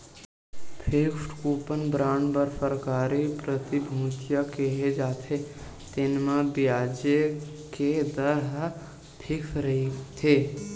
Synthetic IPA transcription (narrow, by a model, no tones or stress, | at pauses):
pʰepʈkuːpənbɾaːɳɖbəɾpəɾkaːɾipɾət̪ibʱũːt͡ʃjakeɦed͡ʒaːt̪ʰe | t̪ɪnmãbɪjaːd͡ʒe | ked̪əɾɦ | pʰɪkʰɾəit̪ʰeː